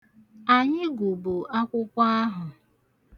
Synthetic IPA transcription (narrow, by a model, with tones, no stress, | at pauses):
a˨ɲɪ˦ɡu˨bu˨a˦kʷʊ˦kʷa˦a˦ɦʊ˨